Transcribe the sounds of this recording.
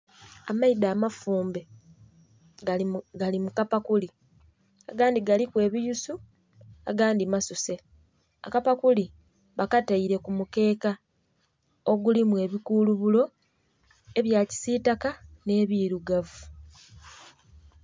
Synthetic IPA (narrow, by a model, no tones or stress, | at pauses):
amaidaːmafuːmbe | ɡalimukapakuli | aɡaːndiɡalikwe̞ːβijusu | a̰ɡaːndimasuse̞ | a̰kapakuli | βakataiɾe̞kumuke̞ːka | oɡulimwe̞ːβikuːluβulo̞ | e̞βjaːci̥siːtakane̞ːβiːɾuɡavu